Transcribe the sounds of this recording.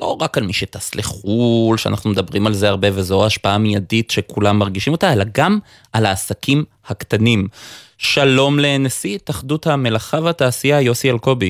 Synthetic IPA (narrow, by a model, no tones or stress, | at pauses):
lo̞ʁakalmiʃetasliχulʃea̰naχnumedabʁimalze̞aʁbe̞vezo̞aːʃpaamijaditʃe̞kulamːaʁɡiʃimo̞t̪ae̞laɡam | ʔalaːsakim | haktanimʃalo̞mlenesitaχduthame̞laχavataːsiajo̞sialko̞bi